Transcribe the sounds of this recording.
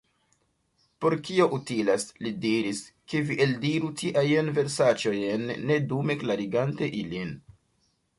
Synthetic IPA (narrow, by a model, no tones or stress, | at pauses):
po̞ɾkio̞ʔutilaslidiɾiske̞viʔeldiɾutiʔajanve̞ɾsat͡ʃo̞jnːe̞dume̞klaɾiɡante̞ʔilin